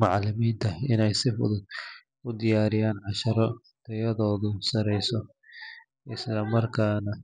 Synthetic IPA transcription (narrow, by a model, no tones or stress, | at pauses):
mɑʕlɪmiːnt̪ʰɐɪnɛjsɪfʊ̰ðʊd̪ | ʊd̪ɪjaːɾɪjaːnʕɑʃɐɾɔ | d̪̥ɛjɐðɔːðʊsɐɾɛjsɔ | ʔɪslɐmɐrkʰaːnɐ